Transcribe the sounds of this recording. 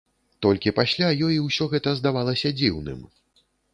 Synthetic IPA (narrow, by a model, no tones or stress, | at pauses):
t̪ɔlʲkʲipasʲlʲajɔjiwsʲɔɣɛt̪ɐzd̪avalˠɐsʲɐd͡zʲiwnɨ̰m